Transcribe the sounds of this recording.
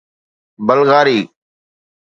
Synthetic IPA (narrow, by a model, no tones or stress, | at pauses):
bəlɣaːɾiː